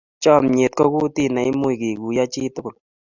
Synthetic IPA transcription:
t͡ʃɔ˦˨mɲe˨t̚kɔ˦ku˦ti˦˨na˨i˦mo˦i˨ke˨ku˨ja˦t͡ʃi˦tʊ˦kʊ˨l

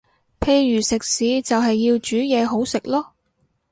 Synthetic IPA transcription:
pʰe˧jɥyː˨˩sɪ˨k̚siː˨˧˥t͡sɐ˨wɦɐ˨jːiː˧wt͡ʃyː˨˥jɛː˨˧ɦo˨˥wsɪ˨k̚lɔː˥

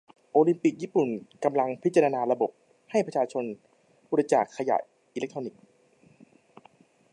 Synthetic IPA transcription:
ʔoː˧li˧mpi˨˩k̚jiː˥˩pu˨˩nka˧mla˧ŋpʰi˦˥t̪t͡ɕːa˧ɾa˧naː˧ɾa˧bo˨˩p̚ | ha˥˩jpʰɾa˧t͡ɕʰaː˧t͡ɕʰo˧n | buː˧ɾi˧t͡ɕa̰ː˨˩kʰːa˧ja̰ː˨˩j | ʔiː˧le˦˥k̚t̪ʰɾoː˧ni˨˩k̚

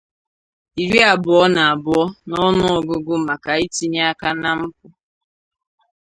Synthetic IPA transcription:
i˨ɾi˦a˨bʊ˨ɔ˦na˨a˨bʊ˨ɔ˦nɔ˦nʊ˦ɔ˨ɡʊ˦ɡʊ˦ma˨ka˨i˦ti˦ɲa˦a˦ka˦na˦m̩˦pʊ˦

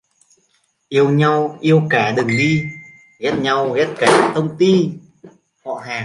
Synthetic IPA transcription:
ʔi˧əwɲa˧wʔi˧əwkaː˧˩ɗɨ˨˩ŋɗi˧ | ɣɛ˦˥t̚ɲa˧wɣɛ˦˥t̚kaː˧˩t̪ə˧wŋ͡mt̪i˧ | hɔ̰˧˨ɦaː˨˩

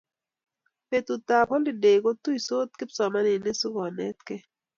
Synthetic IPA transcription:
pe˨t̪u˨t̪a˨pɔ˦lɪ˨de˨ko˦t̪u˦i˨so˦t̪̚kɪ˦psɔ˨ma˦nɪ˨nɪ˦su˦ɡɔ˨nɛ˦t̪kɛ˦

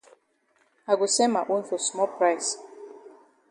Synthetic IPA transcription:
a˨ɡo˨sɛ̃˦nma˨ʔõ˦nfɔ˨smɔ˦lpɹajs

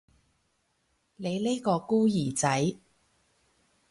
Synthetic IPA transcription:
ne˨˧jle˥jkɔː˧kuː˥jiː˨˩t͡sɐ˨˥j

